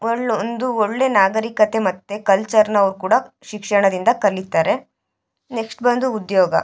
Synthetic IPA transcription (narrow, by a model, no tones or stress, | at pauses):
oɭond̪uoɭːe̞naːɡɐɾikɐt̪e̞mɐt̪ːe̞kɐlt͡ʃɐɾnɐɐʋɾukuːɽɐ | ʃikʂɐɳɐd̪ind̪ɐkɐlit̪ːaːɾe̞ | neksʈbɐnd̪uːd̪jɔːɡɐ̰